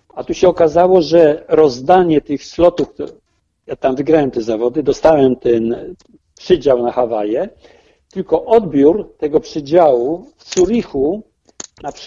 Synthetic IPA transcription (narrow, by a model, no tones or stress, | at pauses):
at̪uɕɛɔkazawɔʐɛɾɔzd̪aɲɛt̪ɘxslɔt̪ufk̪ | jat̪amvɘɡɾawɛmt̪ɛzavɔd̪ɘd̪ɔst̪awɛmt̪ɛn | pʂɘd͡ʑawnaxavajɛ | t̪ɘlkɔʔɔd̪bʲjuɾt̪ɛɡɔpʂɘd͡ʑawufsuɾixu | nap